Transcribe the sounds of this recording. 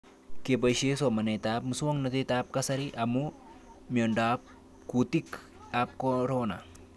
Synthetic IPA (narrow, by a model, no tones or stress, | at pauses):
kebɐjʃesomɐnet̪aːp̚musuoŋnɐt̪et̪aːp̚kɐsɐɾiʔɐmumiondaːp̚ | kut̪ik | ap̚koɾona